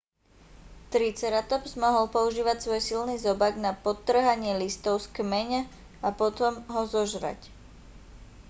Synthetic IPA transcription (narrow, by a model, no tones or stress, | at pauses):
t̪ɾit͡sɛɾat̪ɔpzmɔɦɔlpɔuʒiːʋacsʋɔjsilnizɔbaɡnapɔt̪ːr̩ɦaɲɪɛlist̪ɔʊskmɛɲa | apɔt̪ɔmɦɔzɔʒɾa̰c